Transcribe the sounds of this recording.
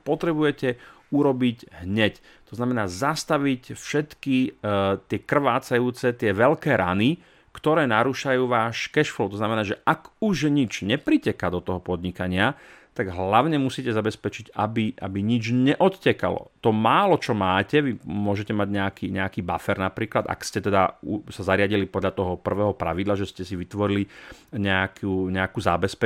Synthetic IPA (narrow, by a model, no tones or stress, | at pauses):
pɔt̪ɾɛbujɛcɛ | uɾɔbiɟɦɲɛc | t̪ɔznamɛnaːzast̪aʋicfʃɛt̪kit̪ɪɛkr̩ʋaːt͡sajuːt͡sɛt̪ɪɛʋɛlkɛːɾʔa̰ni | kt̪ɔɾɛːnaɾuʃajuːʋaːʃkɛʃflɔlt̪ɔznamɛnaːʒɛʔakuʒɲid͡ʒɲɛpɾicɛkad̪ɔt̪ɔɦɔpɔd̪ɲikaɲɪat̪aɡɦllaʊɲɛmusiːcɛzabɛspɛt͡ʃiɟabiʔa̰biɲid͡ʒɲɛʔɔt̪cɛka̰lɔ̰t̪ɔmaːlɔt͡ʃɔmaːcɛʋimʊɔʒɛcɛmaɟɲɛakiːɲɛakiːbafɛɾnapɾiːklad̪a̰kscɛt̪ɛd̪ausazaɾɪaɟilipɔd̪ʎat̪ɔɦɔpr̩ʋɛːɦɔpɾa̰ʋid̪laʒɛscɛsiʋit̪ʋɔɾili | ɲɛakʰuːɲɛakuːzabɛspɛ